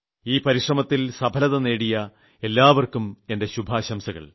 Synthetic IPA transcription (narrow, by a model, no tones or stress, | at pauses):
iːpɐɾiʂrɐmɐt̪ːilsɐbʱɐlɐðɐne̞ːɽijɐ | e̞lːaːʋɐrkume̞nde̞ɕubʱaːɕɐmsɐɣɐ̰ɭ